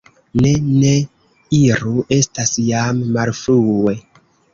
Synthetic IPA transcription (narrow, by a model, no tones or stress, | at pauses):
ne̞ne̞ | iɾuʔe̞stasjamːalfɾue